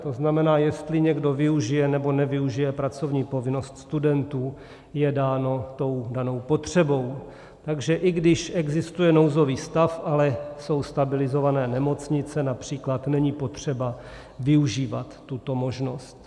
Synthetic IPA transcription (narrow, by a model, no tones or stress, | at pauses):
t̪o̞znamɛnaːjɛst̪lɪɲɛɡdo̞vɪuʒɪjɛnɛbo̞nɛvɪuʒɪjɛpɾat͡so̞vɲiːpo̞vɪno̞st̪st̪udɛnt̪uː | jɛdaːnot̪o̞wdano̞wpo̞t̪r̝̥ɛbo̞w | t̪aɡʒɛʔɪɡdɪʃɛɡzɪst̪ujɛnowzo̞viːst̪afʔalɛso̞wst̪abɪlɪzo̞vanɛːnɛmo̞t͡sɲɪt͡sɛnapr̥iːklat̪nɛɲipo̞t̪r̝̥ɛba | vɪuʒiːvat̪ːut̪o̞mo̞ʒno̞st̪